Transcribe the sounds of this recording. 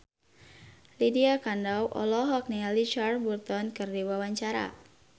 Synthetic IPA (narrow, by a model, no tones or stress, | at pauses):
lidiakandawʔɔ̰lɔɦɔk̚nialit͡ʃarburt̪ɔnkɨrdiwawaɲt͡ʃaɾa̰